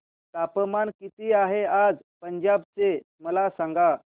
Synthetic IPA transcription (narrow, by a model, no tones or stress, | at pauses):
t̪apəmankit̪iaɦead͡z | pəɲd͡ʑab̚t͡se | məlasaŋɡa